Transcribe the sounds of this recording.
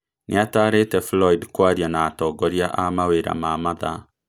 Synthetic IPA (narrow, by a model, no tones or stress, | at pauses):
nʔḛataːɾetɛflɔidkwaɾjanaːtɔːɡɔɾiaʔamaweɾa̰mamaða